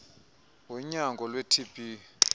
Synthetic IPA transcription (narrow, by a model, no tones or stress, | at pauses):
wɛɲaŋɡʱɔlwetʰib̥ʱʼi